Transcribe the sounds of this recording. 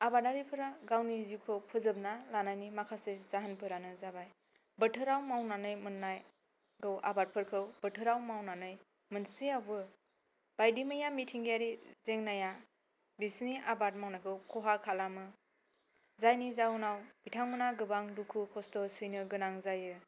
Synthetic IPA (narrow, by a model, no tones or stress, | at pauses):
abat̚naɾipʰɯɾaɡawnizikʰɯwpʰɯzɯp̚nalanajnimakʰasezaɦənpʰɯɾanɯzabaj | bətʰɯɾawmawnanɯjmɯnːaj | ɡɯwʔa̰bat̚pʰɯɾkʰɯwbətʰɯɾawmawnanɯj | mɯnsiawbɯ | b̥ajdimɯjamitʰiŋɡijaɾizeŋnaja | bisniʔabat̚mawnakʰɯwkʰɔɦakʰalamɯ | zajnizanawbitʰaŋmɯnaɡɯbaŋdukʰukʰɔstɔsɯjnɯɡɯnaŋzajɯ